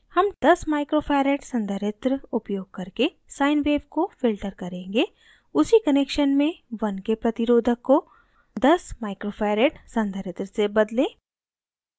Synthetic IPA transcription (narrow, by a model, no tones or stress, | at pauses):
hɐmd̪̥ɐsmaːɪkɾoːpʰaːɾeːʈsɐ̃nd̪ʱəɾɪt̪ɾəʊpjoːɡ̚kɐɾke | sãːɪnʋeːʋkofɪlʈəɾkɐɾẽːŋɡe | ʊsikɐneːkʃənmẽʋɐnkepɾɐt̪ɪɾoːd̪ʱəkːo | d̪ɐsmaːɪkɾoːpʰaːɾeːʈsɐ̃nd̪ʱəɾɪt̪ɾəsebɐd̪lẽː